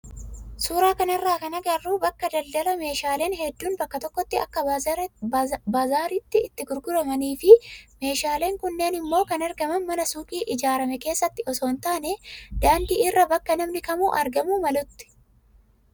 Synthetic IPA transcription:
suːɾaːkɐnɐrːaːkɐnɐɡɐrːuːbɐkːɐd̪ɐld̪ɐlɐme̞ːʃaːle̞ːnɦɛd̪ːuːnbɐkːɐt̪ɔkːɔt̪ːɪɐ̰kːɐ | baːzaːɾit̪ːɪːt̪ːɪɡʊɾɡʊɾɐmɐniːfɪme̞ːʃaːle̞ːŋkʊnːe̞ːnɪmːo̞ːkɐnɐɾɡɐmɐnmɐnɐsuːkʼiːʔɪd͡ʒaːɾɐmɛke̞ːsːɐt̪ːɪɔso̞ːnt̪aːnɛd̪̥aːnd̪iːɪrːɐbɐkːɐnɐmnɪkɐmṵːʔɐɾɡɐmuːmɐlʊt̪ːɪ̥

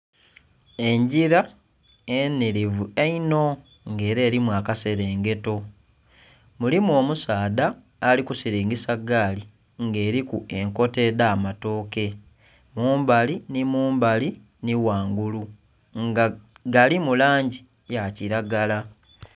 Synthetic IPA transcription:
e̞ɲɟiɾa | eniɾivueino̞ | ŋɡe̞ːɾe̞ːɾimwakase̞ɾe̞ːŋɡe̞to̞ | mulimuo̞ːmusaːdaː | likusiɾiːŋɡisaɡaːli | ŋɡe̞ːɾikue̞ŋko̞te̞daːmato̞ːke̞ | muːmbalinimuːmbali | niwaːŋɡulu | ŋɡa | ɡalimulaːɲɟi | jaciɾaɡala

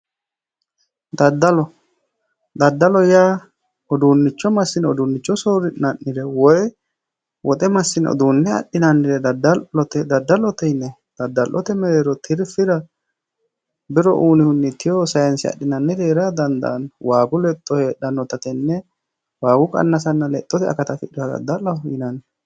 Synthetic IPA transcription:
d̪ɐd̪ːɐlɔ | d̪ɐd̪ːɐlɔjaː | ɔd̪unːɪt͡ʃːɔmɐsːɪnɛɔd̪unːɪt͡ʃːɔsoːɾɪnɐnːɪɾɛwɔj | wʔɔt̪ʼɛmɐsːɪnɛɔ̰d̪unːɛɐ̰ɗːɪnɐnːɪɾɛd̪ɐd̪ɐɔt̪ɛd̪ɐd̪ːɐlɔt̪ɛnːɛ | d̪̥ɐd̪ːɐlʔɔt̪ɛmɛɾeːɾɔt̪ʰɪɾfɪɾɐ | bɪɾɔʔuːnɪhʊnːɪt̪ʰːɪjɔsɐjɐnsɪɐ̰ɗːɪnɐnːɛd̪eːɾɐd̪ɐnd̪ɐ̰nwaːɡʊlɛt̪ʼːɔheːɗɐnːɔt̪ɐt̪ɛnːɛ | waːɡʊkʼɐ̰nːɐsɐnːɐlɛt̪ʼːɔt̪ɛɐ̰kɐt̪ɐfɪᶑɪɐd̪ɐ̰d̪ːɐlɐjɪnɐn

